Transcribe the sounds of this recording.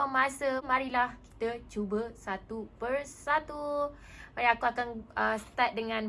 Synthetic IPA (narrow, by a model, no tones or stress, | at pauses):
mãsəmãɾilahki̥t̪ət͡ʃubəsat̪upərsat̪u | maɾiakuakanəsət̪at̪̚dəŋãn